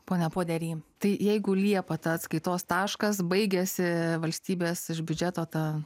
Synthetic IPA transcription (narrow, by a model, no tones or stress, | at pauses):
poːnʲɛpoːd̪ʲɛɾʲiːt̪ɐɪjɛɪɡʊlʲiɛpɐt̪ɐɐt̪skɐɪt̪oːst̪ɑːʃkɐs̬bɐɪɡʲɛsʲɪʋɐlʲsʲt̪ʲiːbʲeːsɪʃbʲʊd͡ʒʲæːt̪oːt̪ɑ